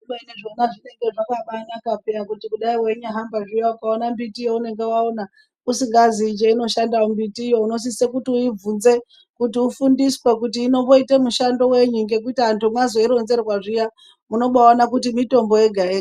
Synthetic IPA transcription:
uɓaineʐonaʐine̞ŋɡe̞ʐakaɓanakapeakutikuɗaiwe̞ɲuaɦambaʐijaukaonambitijoune̞ŋɡe̞waona | usiŋɡaziːt͡ʃeino̞ʃandaumbitijo̞uno̞s̬isekutiuib͡vunze̞ | kutiufundiswek̬utiːno̞ʋoitemuʃando̞we̞ɲuŋɡe̞k̬uitiantumwazo̞iɾo̞nze̞rrwaʐija | muno̞ɓawanakutimito̞mbo̞je̞ɡʱaeː

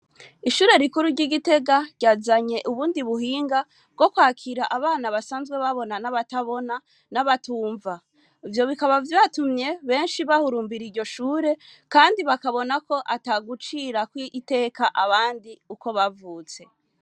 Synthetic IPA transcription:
iʃuːɾe̞ɾikuɾuɾɟiɡite̞ɡaɾɟ̥aːzaɲe̞ʔuβuːndiβuhiːŋɡa | b̚ɡo̞kwaːkʰiɾaʔaβaːnaβasaːnzɡweβaβo̞nanaβataβo̞na | naβatuːɱva | ivjo̞βikaβavjatumɲe̞βe̞ːnʃiβahuɾuːmbiɾiɾɟo̞ʃuːɾe̞kaːndiβakaβo̞nako̞ʔataɡut͡ʃiɾakwiʔte̞ːkaʔaβaːndiuko̞βavuːt͡se̞

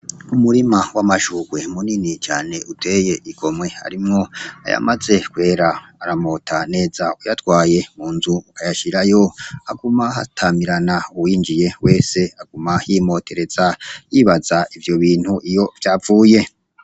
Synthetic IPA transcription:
umuɾimawamaʃuːɡ̥we̞muninit͡ʃaːne̞ute̞ːje̞ʔiɡ̥o̞mwe̞ha̰ɾimŋo̞a̰ja̰maze̞kwe̞ːɾaːɾamo̞tʰane̞ːzaujatwaːje̞muːnzuukajaʃiɾajo̞aɡumaha̰tʰamiɾanauwiːnd͡ʒije̞we̞ːse̞aɡumahiːmo̞ːte̞ɾe̞z̥ajiːβazaivjo̞βiːn̥huʔijo̞vjaːvuːje̞

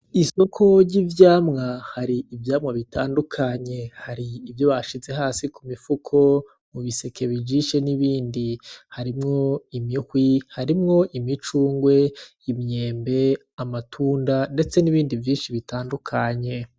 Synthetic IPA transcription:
iso̞kʰo̞ɟivjaːmŋahaɾiːvjaːmŋaβitaːndukʰaɲe̞haɾiːvjo̞βaʃize̞haːsikumifukʰo̞ | muβise̞kʰe̞βid͡ʒiʃeniβiːndihaɾimŋo̞imihwihaɾimŋo̞ʔimit͡ʃuːŋɡwe̞ | imɲe̞ːmbe̞ | amatʰuːndande̞t͡se̞niβiːndivjiːnʃiβitaːndukʰaɲe̞

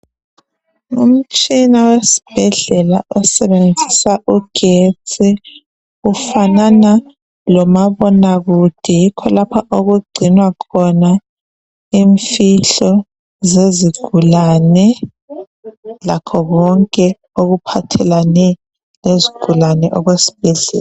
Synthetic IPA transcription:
ṵm̩t͡ʃʼinawesi̥b̥ʱɛɮɛlaʔɔsɛβend͡zʱisaʔuɡ̥ʱet͡sʼʰi | ufanana | lɔmaβɔnaɣud̥ʱɛjikʰɔlapʰaʔoɣuɡ͡ǀʱinwakʰɔna | iɱfiɬɔ | zeziɡ̥ʱulanɛ | lakʰɔɣɔŋkʼɛ | oɣupʰatʰɛlanɛ | leziɡ̥ʱulanɛʔɔɣwesi̥b̥ʱɛɮɛ̰ːla

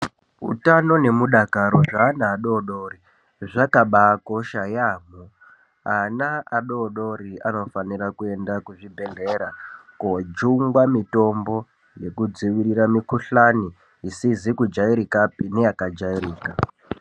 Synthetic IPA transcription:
ṵtano̞ne̞muɗakaɾo̞ʐanaːɗo̞ɗoːɾi | ʐakaɓakoʃajaːmo | anaaɗo̞ɗo̞ɾiano̞faniɾakue̞ndakuʐibʱe̞ɮe̞ɾakod͡ʒuŋɡwamito̞mbo̞ | je̞kud͡ziʋiriɾamikuɬaniː | sizikud͡ʒaiɾikapine̞jakad͡ʒaiɾiːka

